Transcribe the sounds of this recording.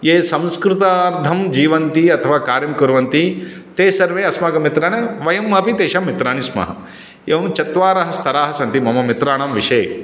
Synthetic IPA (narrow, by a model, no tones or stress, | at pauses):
jeːsɐ̃mskɾut̪aɾd̪ʱɐmd͡ʒiːʋɐnt̪iɐt̪ʰɐʋaːkaːɾjɐmkuɾʋɐnt̪i | t̪eːsɐɾʋeːɐsmaːkɐmit̪ɾaːɳɐʋɐjɐmːɐpit̪eːʃɐmːit̪ɾaːɳismɐ̰ɦɐ̰ | eːʋɐmt͡ʃɐt̪ʋaːɾɐɦɐst̪ʰɐɾaːɦɐsɐnt̪imɐmɐmit̪ɾaːɳɐmʋiʃeː